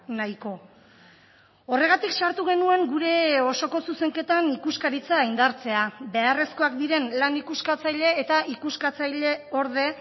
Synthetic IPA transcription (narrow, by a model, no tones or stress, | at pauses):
najko̞ | ore̞ɣ̞at̪iksaɾt̪uɣe̞nue̞ŋɡuɾe̞o̞so̞ko̞suse̞ŋke̞t̪anikuskaɾit͡saːjnd̪aɾt͡se̞abe̞are̞sko̞ak̚d̪iɾe̞nlanikuskat͡sajʎe̞ːt̪aʔikuskat͡sajʎe̞o̞ɾð̞e̞